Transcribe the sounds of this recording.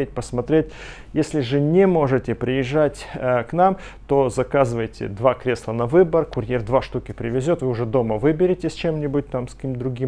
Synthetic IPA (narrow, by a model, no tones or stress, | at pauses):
et̚ʲpəsmɐt̪ɾʲet̚ʲ | jesʲlʲɪʐɨnʲemo̞ʐɨtʲɪpɾʲɪjɪʐːatʲːknam | t̪o̞zɐkazɨvəjtʲɪ̰d̪vakɾʲe̞slˠənɐvɨbərkʊrʲjerd̪vaʂt̪ukʲɪpɾʲɪvʲɪzʲo̞t̪vɨʊʐɛd̪o̞məvɨbʲɪɾʲɪtʲɪsʲt͡ɕemnʲɪbʊt̚ʲt̪amskkʲimd̪ɾʊɡʲim